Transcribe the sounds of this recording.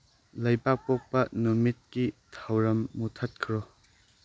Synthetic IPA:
lɐjpak̚pok̚pɐnumit̚kit̪ʰɐwɾɐmːut̪ʰɐt̚kʰɾo

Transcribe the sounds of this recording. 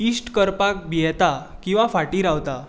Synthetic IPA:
isʈkəɾpak̚biɛt̪akĩw̃ʋafaʈiːɾaʋt̪a

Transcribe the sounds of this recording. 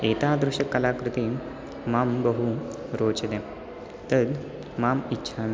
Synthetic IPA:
et̪ad̪ɾuɕəkːəlaːkɾut̪i | mambəɦuɾoːt͡ɕd̪ẽ | t̪əd̪ | mamitːɕʰan

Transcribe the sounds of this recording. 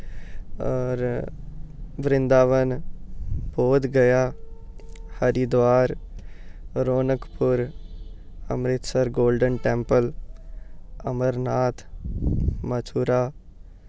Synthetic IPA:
ɔːɾ | ʋɾɪ̃nd̪aːʋən | boːd̪ɡəjaː | həɾid̪ʋaːɾ | ɾoːnəkpʊɾ | ə̰mɾɪt̪səɾɡoːlɖənʈɛ̃ːmpəl | əməɾnaːt̪ʰ | mət͡ʃʰuɾaː

